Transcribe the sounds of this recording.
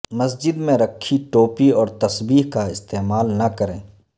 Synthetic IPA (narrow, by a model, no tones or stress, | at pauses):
mɐs̬d͡ʒɪd̪mẽɾɐkʰːiʈoːpiɔːɾt̪ɐsbiːɦkaɪst̪eːmaːlnɐkɐɾẽː